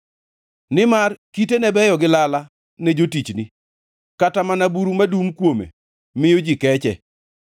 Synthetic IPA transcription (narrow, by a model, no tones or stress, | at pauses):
nɪmarkitenɛbɛjɔɡɪlala | ned͡ʒotit͡ʃni | katamanabuɾumadumkwomḛ | mɪjod͡ʒikɛt͡ʃɛ